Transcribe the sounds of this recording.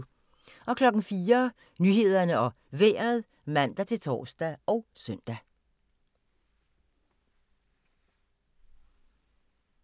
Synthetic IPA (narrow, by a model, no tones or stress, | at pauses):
ʔɒ̽kʰlɒ̽ɡ̥n̩fiːɐ | nyːɦe̝ð̞ˠɐnəɒ̽ | ʋeːɐð̩ˠ | mæn̰d̥æt͡sʰe̝lt͡sʰɒ̰ːsd̥æɒ̽ʊsœn̰d̥æ